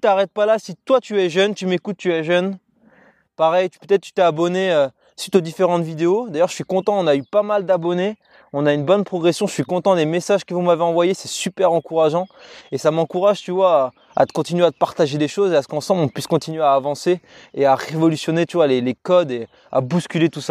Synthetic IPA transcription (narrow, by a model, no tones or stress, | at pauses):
t̪aʁɛt̪̚palasit̪wat̪yɛʒœnt̪ymekut̪ːyɛʒœn | paʁɛj̪pøt̪ɛt̪χt̪y̥t̪aːbɔneø | sɥit̪od̪ifeʁɑ̃t̪vid̪eod̪ajœʁʃəsɥikɔ̃t̪ɑ̃ɔ̃naypamald̪abɔne | ɔ̃naynbɔnpχɔɡʁesjɔ̃ʃəsɥikɔ̃t̪ɑ̃lemesaʒkəvumaveɑ̃vwajesɛsypɛʁɑ̃kuʁaʒɑ̃esamɑ̃kuʁaʒt̪yvwa | a̰t̪ə̥kɔ̃t̪inɥeat̪əpaʁt̪aʒed̪eʃozeasə̥kɑ̃sɑ̃blɔ̃pɥiskɔ̃t̪inɥeaːvɑ̃se | eaʁevɔlysjɔnet̪yvwalelekɔd̪e | a̰buskʲylet̪usa